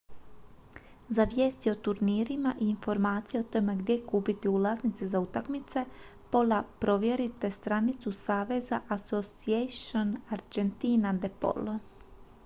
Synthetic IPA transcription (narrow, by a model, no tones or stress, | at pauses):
zaʋje̞ːst̪io̞t̪uɾniːɾimaʔiːnfo̞ɾmaːt̪sijeot̪o̞me̞ɡd̪jekuːpit̪iulˠaznit̪sezaut̪akmit̪se̞po̞lapɾo̞ʋje̞ɾit̪est̪ɾanit̪susaːʋe̞zaʔasosieʃonaɾd͡ʒent̪inad̪epo̰lo